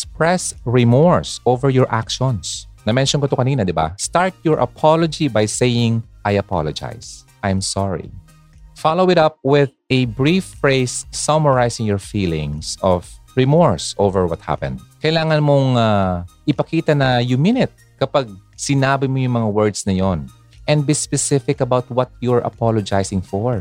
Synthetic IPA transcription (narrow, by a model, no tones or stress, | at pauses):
spɹɛsɹɪmɔɹsovɛɹjɔɹʔa̰kʃɔnsnɐmɛnʃjɔnkot̪okɐniːnɐd̪ɪba̰st̪aɹt̪̚jɔɹʔɐ̰pʰalod͡ʒibajsejɪ̃ŋʔajɐpa̰lod͡ʒa̰js | ʔajmsaɹḭ | falowɪt̪ɐp̚wɪð | ɛbɹifːɹejsːɔmɐɹajsɪ̃ŋjɔɹfiːlɪ̃ŋsɔvɹɪmɔɹsʔovɛɹwɐt̪̚ha̰pɛ̰̃nd̪̚kɐjlaːŋɐnmoŋaʔɪpɐkiːt̪ɐnɐjʊmɪnɪt̪̚ | kɐpaɡ̚sɪnaːbɪmojʊŋmɐŋawɛɹd̪snɐjon | ʔɛ̃nd̪̚bispɛsɪfɪkɐbawt̪̚wɐt̪̚juaɹʔɐ̰palod͡ʒajsɪ̃ŋfɔɹ